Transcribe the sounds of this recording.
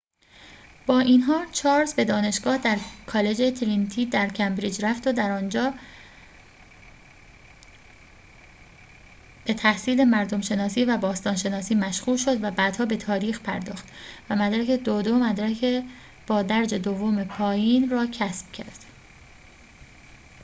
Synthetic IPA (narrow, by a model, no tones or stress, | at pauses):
b̥ɒːʔiːnɦɒːt͡ʃʰɒːɾzbe̞d̪ɒːne̞ʃɡ̥ɒːhd̪æɾkʰɒːle̞d͡ʒe̞t̪ʰɾint̪ʰiːd̪æɾcʰæmbɾiːd͡ʒɾæft̪od̪æɾɒːnd͡ʒɒː | b̥e̞t̪ʰæhsiːle̞mæɾd̪o̞mʃe̞nɒːsiːvæbɒːst̪ɒːnʃe̞nɒːsiːmæʃɣuːlʃo̞d̪væbæːd̪hɒːbe̞t̪ʰɒːɾiːxpʰæɾd̪ɒːxt̪væmæd̪ɾæke̞d̪od̪omæd̪ɾæcʰe | b̥ɒːd̪æɾd͡ʒe̞d̪ovːome̞pʰɒːjiːnrɒːcʰæsb̥̚cʰæ̰ɾd̪̥